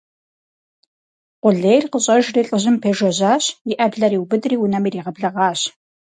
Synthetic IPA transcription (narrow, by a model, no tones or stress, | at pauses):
qʷʊɮejrqəɕʼɐʒriːɬʼəʑɪmpʰeːʒɐʑaːɕjɪʔɐbɮɐɾiːwbɨdriːwʊnɐmiːriːʁɐbɮɐʁɑːɕ